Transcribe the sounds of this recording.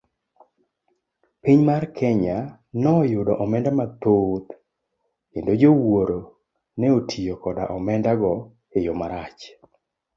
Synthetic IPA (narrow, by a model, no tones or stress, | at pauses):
piɲmarkʰɛɲa | nɔjʊdɔʔɔmɛndamat̪ot̪ | endod͡ʒowoɾo | nɛotʰijokɔda̰ʔɔmɛndaɡɔ | ejɔmaɾat͡ʃ